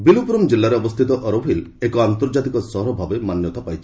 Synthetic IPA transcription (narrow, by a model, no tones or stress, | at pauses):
bilupɾɔmd͡ʒilːaɾeɔbɔst̪ʰit̪ɔʔɔɾobʱilekɔant̪ɔɾd͡ʒat̪ikɔsɔɦɾɔbʱabemanjɔt̪apajt͡ʃʰi̥